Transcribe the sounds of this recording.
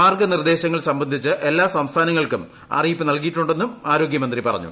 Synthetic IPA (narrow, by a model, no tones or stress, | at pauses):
aːrɡɐnird̪e̞ːɕɐŋːɐɭsɐmbɐnd̪ʱit͡ɕːɨʔe̞lːaːsɐmst̪ʰaːnɐŋːɐɭkum | ɐ̰rijipːɨnɐlkijiʈːuɳɖe̞nːumaːɾo̞ːɡjɐmɐnd̪ripɐrɐ̰ɲːṵ